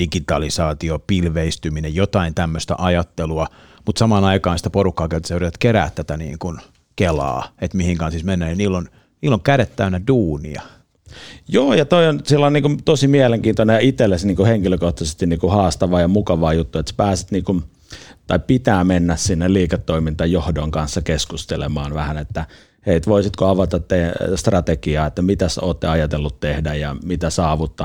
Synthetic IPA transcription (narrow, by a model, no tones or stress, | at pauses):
d̥ikit̪ɑlisɑːt̪iopilʋeist̪yminejjot̪ɑint̪æmːøst̪æ̰ʔɑjɑt̪ːeluɑ | mut̪sɑmɑːnɑikɑːnsi̥t̪æporukːɑːkelt̪ːɑsyrit̪ɑt̪keɾæ̰ːt̪t̪ːæt̪ænḭːŋkun | kelɑ̰ːet̪mihiŋkɑnsismenːæːniniːlːon | niːlːoŋkæɾet̪ːæynæduːnḭɑ̰ | joːjɑt̪oionsilːoniːŋkumt̪osimiæleŋkiːnt̪onenjɑit̪elːesniːŋkuheŋkiløkoht̪ɑsest̪inniːkuhɑːst̪ɑʋɑːjɑmukɑʋɑːjut̪ːuet̪sæ̥pæːsit̪niːkun | t̪ɑippit̪æːmenːæssinːeliːkɑt̪ːoimint̪ɑjohdoŋkɑnsːɑkeskust̪elḛmɑːnʋæhænet̪ːæ | heit̪ʋoisit̪koɑʋɑt̪ɑt̪ːest̪rɑt̪ekiɑːet̪ːæmit̪æsoːt̪ːeɑjɑt̪elːut̪t̪ːehdæjjɑmit̪æsɑːʋut̪ːɑ